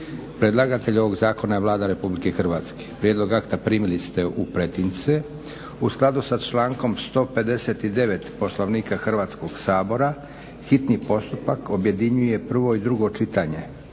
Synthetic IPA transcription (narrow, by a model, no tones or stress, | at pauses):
pɾe̞d̪lˠaɡat̪eʎo̞ʋo̞ɡzaːko̞naeʋlˠaːd̪aɾe̞publike̞xrʋaːt̪ske̥pɾjed̪lo̞ɡakt̪apɾiːmilist̪eʔupɾe̞t̪int̪se | usklˠad̪usat͡ʃlaːŋko̞mst̪o̞ːpe̞d̪e̞set̪id̪e̞ʋe̞t̪po̞slˠo̞ʋniːkaxr̩ʋaːt̪sko̞ɡsaːbo̞ɾa | xit̪nipo̞st̪upako̞bje̞d̪iɲuje̞pr̩ʋo̞id̪ɾuɡo̞t͡ʃit̪aɲe̞